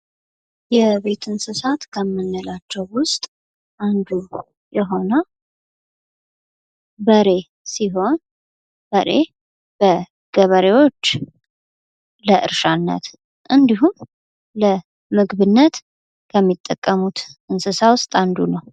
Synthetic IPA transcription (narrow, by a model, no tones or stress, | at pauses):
jɛβe̞t̪ʰɨnsɨsat̪kʰəmːɨnːəlat͡ʃːɛwwʊst̪ʼ | ʔand̪u | jɛɦo̞nə | bəɾe̞ | siɦo̞n | bəɾe | b̥ə | ɡ̥əβəɾewo̞t͡ʃː | ləʔɨ̰ɾʃanːə̰t̪ | ʔɨnd̪iɦum | lə | mɨɡβɨnːət̪ | kʰəmːit̪ʼːəkʼːəmut̪ɨnsɨsawʊst̪ʼand̪unəw